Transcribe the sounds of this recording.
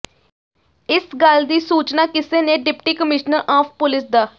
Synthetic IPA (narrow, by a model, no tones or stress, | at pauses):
ɪsɡəld̪iːsuːt͡ʃnaːkɪseːneːɖɪpʈiːkəmɪʃnəɾʔaːpʰpʊlɪsd̪aː